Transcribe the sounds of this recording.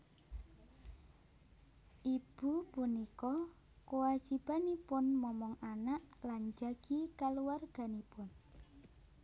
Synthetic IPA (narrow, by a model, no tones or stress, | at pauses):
ʔib̥upunikɔ | kowḁd͡ʒ̥ib̥anipʊnmɔmɔŋʔanaʔland͡ʒaɡ̥ikaluwarɡ̥a̤nipʊn